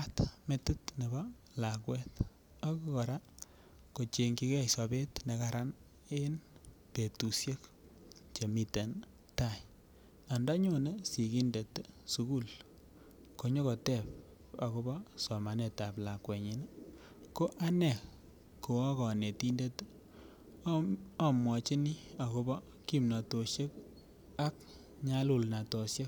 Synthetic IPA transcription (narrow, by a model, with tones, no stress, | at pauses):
atme˨tu˦tne˨ba˦ | la˨kwɛ˦t | a˦ko˦kɔ˨ɾa˦ | ko˨t͡ʃe˨ŋki˦kɛ˦jsa˨be˦tne˨kaɾa˦n | e˦n | pe˨tu˨sje˦k | t͡ʃe˨mi˨te˨n | ta˨j | a˨nda˦ɲo˨ne˦si˨ki˦nde˨tsu˦ku˦l | ko˨ɲɔ˦kɔ˨tɛ˦˨p̚ | a̰˨ko˦bɔ˦sɔ˨ma˨ne˨ta˨pla˨kwɛ˨ɲi˨na˦ | ko˦ʔa˦nɛ˨ | ko˨a˦kɔ˨ne˨ti˦nde˦t | a˨mwɔ˨t͡ʃɪ˦ni˦a˨ko˦bɔ˦ | ki˦mna˨to˨ʃje˦k | a˦k̚ | ɲa˦lu˦˨lna˨to˨sje˦k